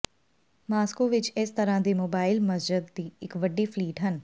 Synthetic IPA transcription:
maːskoːʋɪt͡ʃɪst̪əɾãːd̪iːmoːbaːɪlməsd͡ʒɪd̪ːiːɪkʋəɖːiːpʰliːʈɦən

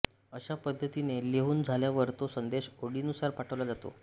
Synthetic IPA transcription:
əɕapəd̪ʱːət̪ineleɦuːnd͡zʱaljaʋəɾt̪osənd̪eɕoɽiːnusaɾpaʈʰəʋlad͡zat̪o̰

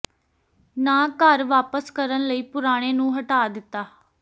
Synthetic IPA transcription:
naːkəɾʋaːpəskəɾənləiːpʊɾaːɽ̃eːnũːɦəʈaːd̪ɪt̪ːaː

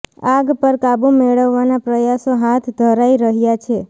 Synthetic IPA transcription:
aɡpəɾkabumeɭəʋːanapɾəjasoɦat̪ʰd̪ʱəɾaiɾəɦjat͡ʃʰe

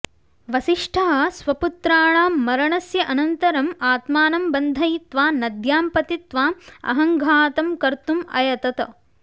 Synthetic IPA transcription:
ʋɐʃiʂʈʰɐɦɐ̆sʋɐput̪ɾaːɳaːɐɾɐɳɐsjɐʔɐnɐnt̪ɐɾɐmaːt̪maːnɐmbɐnd̪ʱɐjit̪ʋaːnɐd̪jaːmpɐt̪it̪ʋaːmɐ̰ɦɐŋɡʱaːt̪ɐmkɐɾt̪umɐ̰jɐt̪ɐt̪ɐ̰

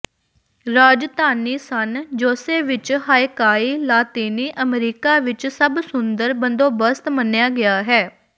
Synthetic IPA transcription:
ɾaːd͡ʒd̪aːniːsənd͡ʒoːseːʋɪt͡ʃɦaːɪkaːiːlaːt̪iːniːʔəmɾiːkaːʋɪt͡ʃsəbsʊnd̪əɾbənd̪oːbəst̪mənjaːɡɪaːɦɛː

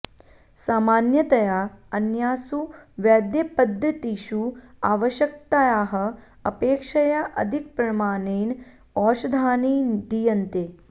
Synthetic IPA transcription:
saːmaːnjɐt̪ɐjaɐnjaːsuʋjaːd̪jɐpɐd̪ʱːɐt̪iʃuaːʋɐʃjɐk̚t̪ajaːɦɐ̆ | ɐpeːkʂɐjaʔɐ̰d̪ʱik̚pɾɐmaːneːn | ɔːʃɐd̪ʱaːniːd̪ijɐnt̪eː

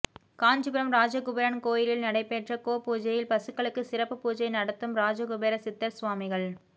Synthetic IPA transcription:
kaːɲd͡ʒɯbɪɾɐmɾaːd͡ʒɐkʊbɐɾɐnkoːjɪɾɪlnɐɽɐɪpeːʈrɐkoːpːuːd͡ʒɐjɪlpɐsɯkːɐɭɯkːɯsɪrɐpːɯpuːd͡ʒɐjnɐɽɐt̪ːɯmɾaːd͡ʒɐkʊbeɾɐsɪt̪ːɐɾsʋaːmɪɣɐɭ

